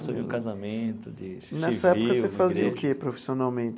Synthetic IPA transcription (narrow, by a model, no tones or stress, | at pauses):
soviũkazamẽt̪ʊd̪ɪsnɛsɐɛʊkɐseffaziɐʊkepɾofi̥sionawmẽnt̪ɪ